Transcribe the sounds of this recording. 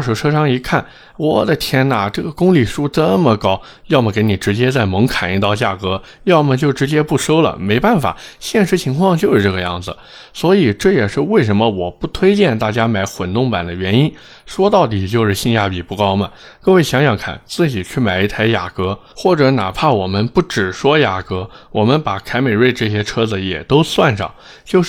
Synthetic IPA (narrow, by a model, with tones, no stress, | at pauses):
ʂu˨˧˩ʈ͡ʂʰɤ˥ʂɑ˥ŋi˧˥kʰa˥˩n | wɔ˨˩d̪ə˦t̪ʰjɛ˥nə˨˩ʈ͡ʂɤ˥˩ɡə˩kʊ˥ŋli˨˩ʂu˥t͡sə˥mə˨kɑ˥ʊ | jɑ˥˩ʊmə˩ke˧˥ɪni˨˩ʈ͡ʂɻ̩˧˥t͡ɕjɛ˥t͡sa˥˩ɪmɤ˧˥ŋkʰa˨˩ni˧˥t̪ɑ˥˧ʊt͡ɕja˥˩kɤ˧˥ | jɑ˥˩ʊmə˨˩t͡ɕjo˥˩ʊʈ͡ʂɻ̩˧˥t͡ɕjɛ˥pu˥˩ʂo˥ʊlə̰˨˩me˧˥ɪpa˥˩nfa̰˨˩ɕjɛ˥˩nʂ̬ɻ̩˧˥t͡ɕʰi˧˥ŋkʰwɑ˥˧ŋt͡ɕjo˥˧ʊʂɻ̩˥˧ʈ͡ʂɤ˥˩ɡə˧jɑ̰˥˩ŋd͡zɹ̩˩ | swɔ˧˥i˨˩ʈ͡ʂɤ˥˩jɛ˨˩ʂɻ̩˥˧we˥˩ɪʂə˧˥nmə˧wɔ˨˩pu˥˩t̪ʰwe˥ɪt͡ɕjɛ˥˧nt̪a˥˩t͡ɕja˥ma˧˥ɪxwə˨˩nt̪ʊ˥˩ŋpa˨˩nd̪ə˦ɥɛ˧˥ni˥n | ʂwɔ˥t̪ɑ˥˩ʊt̪̬i˨˩t͡ɕjo˥˧ʊʂɻ̩˥˧ɕi˥˧nja˥˩pi˨˩pu˥˩kɑ˥ʊmɐ˨kɤ˥˧we˥˩ɪɕjɑ˧˥ŋɕjɑ˨˩ŋkʰa̰˨˩nt͡sɹ̩˥˩t͡ɕi˨˩t͡ɕʰy˥˩ma˨˩ɪi˧˥t̪ʰa˧˥ɪja̰˨˩kɤ˧˥ | xwɔ˥˩ʈ͡ʂɤ˧˥na˨˩pʰa˥˩wɔ˨˩mə˦npu˥˩ʈ͡ʂɻ̩˨˩ʂwɔ˥ja˨˩kɤ˧˥wɔ˨˩mə˧˦npa˨˩kʰa˧˥ɪme˨˩ɪwe˥˧ɪʈ͡ʂɤ˥˩ɕ̬jɛ˥ʈ͡ʂʰɤ˥d͡zɹ̩˧jɛ̰˨˩t̪o˥ʊswa˥˧nʂɑ̰˥˩ŋ | t͡ɕjo˥˧ʊ˥˩